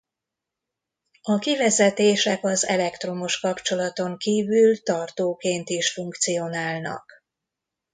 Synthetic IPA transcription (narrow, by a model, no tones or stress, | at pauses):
ɒkivɛzɛt̪eːʃɛkɒzɛ̰lɛkt̪ro̞moʃkɒpt͡ʃo̞lɒt̪o̞ŋkiːvylt̪ɒrt̪oːkeːnt̪iʃfuŋkt̪sijo̞naːlnɒ̰k